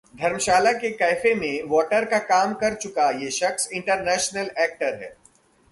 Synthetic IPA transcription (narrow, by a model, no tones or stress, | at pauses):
d̪ʱɐɾmʃaːlakekɛːfemẽʋɔːʈəɾkakaːmkɐɾt͡ʃʊkajeːʃɐxsɪ̃ɳʈəɾnɛːʃnəlɛːk̚ʈəɾɦɛ̰ː